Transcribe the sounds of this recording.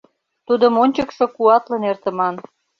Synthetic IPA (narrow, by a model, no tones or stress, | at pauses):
t̪ud̪əmonʲt͡ɕəkʃŏkuɑt̪lɤ̆nert̪ə̆mɑn